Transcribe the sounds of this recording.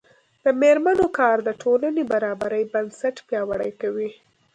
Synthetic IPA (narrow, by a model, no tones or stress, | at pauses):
d̪̥əmeɾmanokɑɾd̪əʈʰolanebaɾɑbaɾəjbansaʈpjɑwaɽəjkawi